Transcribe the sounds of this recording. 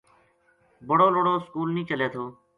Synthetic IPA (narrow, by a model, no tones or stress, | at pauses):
bəɽoːloːɽoːskuːlnĩːt͡ʃəleːt̪ʰoː